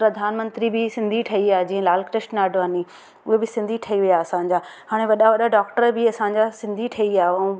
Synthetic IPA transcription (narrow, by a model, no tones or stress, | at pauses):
pɾɐd̪ʱaːnmə̃nt̪ɾibɪsɪ̃nd̪ʱiʈʰɐiaːɦed͡ʑiːə̃laːlkɾɪʃʈnaːɖʱoaːni | ʊɦebɪsɪ̃nd̪ʱiʈʰɐɦiʋijaɐsãɲd͡ʑaːɦaːɽ̃ẽʋɐɗaʋɐɗaɖaːkʈəɾbɪɐsãːɲd͡ʑasɪ̃nd̪ʱiʈʰɐiaːɦeɛ̃